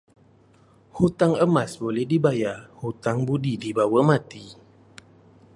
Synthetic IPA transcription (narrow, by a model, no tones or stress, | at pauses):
hut̪aŋəmãsbolɛhdibajahut̪aŋbudidibawəmat̪i